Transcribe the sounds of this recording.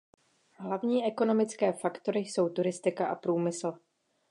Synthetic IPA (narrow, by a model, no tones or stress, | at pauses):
ɦlavɲiːʔɛko̞no̞mɪt͡skɛːfakt̪o̞ɾɪso̞wt̪uɾɪst̪ɪkaʔapɾuːmɪsl̩